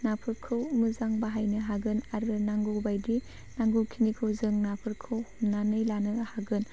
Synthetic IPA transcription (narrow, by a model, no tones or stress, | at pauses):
napʰɯɾkʰɯwmɯzaŋbaɦajnɯɦaɡɯnaɾbɯnaŋɡɯbajdi | naŋɡowkʰinikʰɯwzɯŋnapʰɯɾkʰɯwhumnanɯjlanɯhaɡɯn